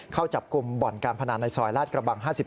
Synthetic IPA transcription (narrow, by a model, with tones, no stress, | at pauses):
kʰa˥˩wt͡ɕa˨˩p̚ku˧mbɔː˨˩nkaː˧npʰa˧naː˩˥nːa˧jsɔː˧jlaː˥˩t̪̚kɾa˧ba˧ŋɦaː˥˩si˨˩p